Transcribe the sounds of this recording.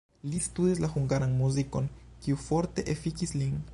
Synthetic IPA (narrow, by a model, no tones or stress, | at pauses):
list̪ud̪islaxuŋɡaɾanmuziko̞nkiufoɾt̪e̞ʔefikislin